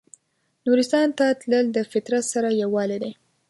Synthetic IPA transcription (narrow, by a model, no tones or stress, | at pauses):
nuɾɪst̪ɑnt̪at̪ləld̪əfɪt̪ɾat̪saɾajawɑled̪e